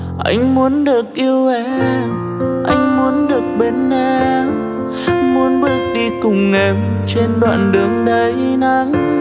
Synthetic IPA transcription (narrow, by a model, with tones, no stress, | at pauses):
ʔa˧jŋ̟mu˨˦ənɗɨ˨˩ək̚ʔi˧əwvɛ˨˦ | ʔa˧jŋ̟mu˨˦ənɗɨ˨˩ək̚ɓe˨˧˦nːɛ˧ | mu˨˦ənɓɨ˦˥ək̚ɗi˧kʊ˨˩ŋ͡mːe˨˩mt͡ɕe˧nɗwa̰ː˧˨nɗɨ˨˦əŋɗə˧˦jna˨˦ŋ